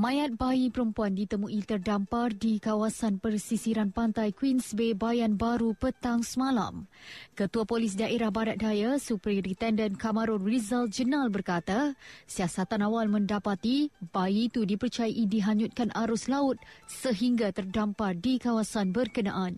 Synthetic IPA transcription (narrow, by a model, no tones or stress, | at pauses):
mãjat̪̚baipəɾəmpuandit̪əmũʔit̪ərdampardikawasanpərsisiɾanpant̪ajkwinsbebajanbaɾupət̪aŋsəmãla̰mkət̪uapolɪs̬daʔeɾahbaɾat̪̚dajasupɾiɾit̪ɛndənkaməɾʊnrizald͡ʒənalbərkat̪asiasat̪anawalmə̃ndapat̪ibaiːt̪udipərt͡ʃajaʔidiɦaɲut̪̚kanaɾʊslaʊt̪̚səɦiŋɡat̪ərdampardikawasanbərkənaʔan